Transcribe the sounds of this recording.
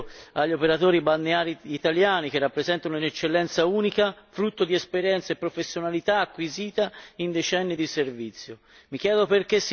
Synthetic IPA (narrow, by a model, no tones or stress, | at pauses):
aʎːopeɾat̪oːɾibanːeaːɾiːt̪aljaːnik̟erːapːɾezɛnt̪auinet͡ʃːelːɛnt̪sauːnikafɾut̪ːod̪iɛspeɾjɛnt̪saepːɾofesːjonalit̪aːkːwiziːt̪aind̪et͡ʃɛnːid̪iservit̪sːjo | mik̟jɛːd̪operkesː